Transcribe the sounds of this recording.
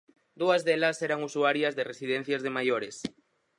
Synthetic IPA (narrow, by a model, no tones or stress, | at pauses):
d̪uɐzðelɐseɾaŋusuaɾjɐzðeresiðɛn̟θjɐzð̞emajoɾes